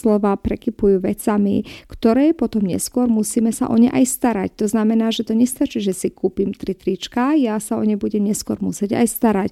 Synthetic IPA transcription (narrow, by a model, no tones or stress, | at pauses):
lɔʋaːpɾɛkipujuːʋɛt͡samḭkt̪ɔɾɛːpɔt̪ɔmɲɛ̰skʊɔɾmusiːmɛsa̰ʔɔɲɛʔajst̪aɾa̰ct̪ɔznamɛnaːʒɛt̪ɔɲɛst̪at͡ʃiːʒɛsikuːpimt̪ɾit̪ɾit͡ʃkajasaɔɲɛbuɟɛmɲɛskʊɔɾmusɪɛɟa̰jst̪aɾac